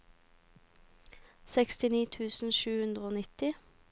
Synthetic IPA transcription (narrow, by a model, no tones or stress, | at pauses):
sɛkst̪ɪniːt̪ʰʉːsn̩ʃʉːhʉnd̪ʁəoːnɪt̪ɪ